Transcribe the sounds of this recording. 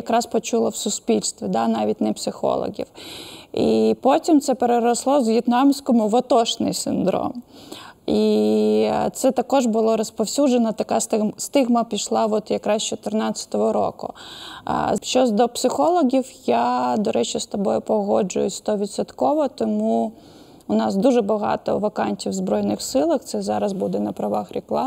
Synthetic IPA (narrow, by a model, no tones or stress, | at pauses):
jɐkɾɑspɔt͡ʃulˠɐwsʊsʲpʲilʲst̪ʋʲid̪ɑnɑʋʲit̚ʲnɛpsɪxɔ̰lˠɔ̰ɣʲḭwipɔtʲimt̪sɛpeɾeɾɔslˠɔzʋjit̪nɑmsʲkɔmʊʋɔt̪ɔʃnɪ̰jsʲɪnd̪ɾɔ̰m | i | t̪sɛt̪ɐkɔʒbʊlˠɔɾɔspɔwsʲud͡ʒenɐt̪ɐkɑst̪st̪ɪɣmɐpʲiʃlˠɑʋɔt̪jɐkɾɑst͡ʃɔt̪ernɑt͡sʲɐ̥t̪ɔʋɔɾɔ̰kʊ̰ | ʃt͡ʃɔzd̪ɔpsɪxɔlˠɔɣʲiwjad̪ɔɾɛt͡ʃist̪ɔbɔjʊpɔɦɔd͡ʒʊ̰jʊsʲt̪ɔʋʲit̪sɔt̪kɔʋɔt̪ɔmu | ʊnɑsd̪uʒɛbɐɦɑ̰t̪ɔ̰ʋɐkɑnʲtʲiwzbɾɔjnɪxsɪlˠɐxt̪sɛzɑɾɐzbud̪ɛnɐpɾɐʋɑxɾʲiklˠɑ